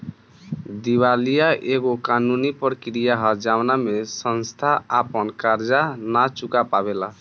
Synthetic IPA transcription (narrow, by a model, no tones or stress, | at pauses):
d̪iwalijaʔeɡokanunipɾkɾijaɦʌd͡ʒawnamesʌnst̪ʰaapənkaɾd͡ʒanat͡ʃukapabela